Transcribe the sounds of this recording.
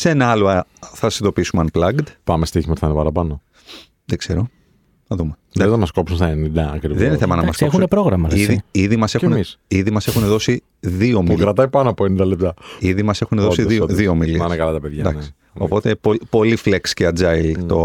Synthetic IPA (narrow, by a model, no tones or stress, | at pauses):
seenɐɐloɐθɐsind̪o̞piisumeɐnplɐɡd̪pɐmest̪içimɐt̪θɐnepɐɾɐpɐno | ðeɡ̥z̥e̞ɾo̞ | nɐðumeeznɐmɐsko̞psunsɐnind̪ɐɐkɾivðeninθemɐnɐmɐskoexunepɾo̞ɣɾɐmɐiðiðimɐse̞xkunisiðimɐse̞xuneðo̞si | ðioːmiulkɾɐt̪ɐipɐnoɐpoenind̪ɐlep̚t̪ɐiðimɐse̞xuneðosiðioðioːmiliɐnekɐlɐt̪ɐpeðʝɐd̪ɐ̰nksi̥ | o̞̰po̞t̪e̞popo̞lifleksceɐd͡zɐjlt̪o